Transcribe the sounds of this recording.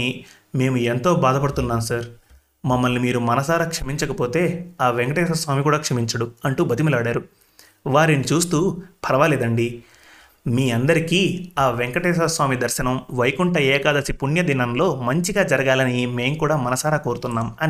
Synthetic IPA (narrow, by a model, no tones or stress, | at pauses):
i | me̞ːmue̞nt̪o̞ːbaːd̪ʱɐpɐɽut̪unːaːmsaːɾ | mɐmːɐlnimiːɾumɐnɐsaːɾaːkʂɐmiɲt͡ʃɐkɐpo̞ːt̪e̞ːaːʋeŋkɐʈɛːs̬ɐsʋaːmikuːɽaːkʂɐmiɲt͡ʃɐɽuɐɳʈuːbɐt̪̬imulaːɽaːɾu | ʋaːɾinit͡ʃuːst̪uːpʰɐɾɐʋalɛːd̪ɐɳɖi | miːɐnd̪ɐɾikiːaːʋeŋkɐʈɛːʃ̬ɐsʋaːmid̪ɐɾʃɐnɐmʋɐjkuɳʈɐɛːkaːd̪ɐsipuɳjɐd̪inɐmlo̞ːmɐɲt͡ʃiɡaːd͡ʒɐɾɐɡaːlɐnime̞ːmkuːɽaːmɐnɐsaːɾaːko̞ːɾut̪unːaːmɐn